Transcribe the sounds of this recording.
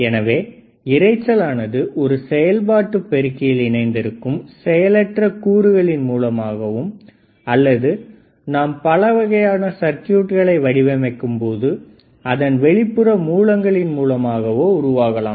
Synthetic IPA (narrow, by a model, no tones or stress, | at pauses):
ɛnɐʋeː | ɪɾɐɪt͡ʃːɐlaːnɐðɯʔɔɾɯsɛjɐlbaːʈːɯpːɛɾɯkːɪjɪlɪnɐɪnd̪ɪɾɯkːɯmsɛjɐlɐʈrɐkuːɾɯɣɐɭɪnmuːlɐmaːɣɐʋɯm | ɐlːɐðɯ | naːmpɐlɐʋɐɣɐjaːnɐsɐɾkɪjuːʈɣɐɭɐɪʋɐɽɪʋɐmɐkːɯmpoːðɯ | ɐðɐnʋɛɭɪpːɯɾɐmuːɭɐŋɡɐɭɪnmuːlɐmaːɣɐʋoːʊɾʊʋaːɣɐla̰ːm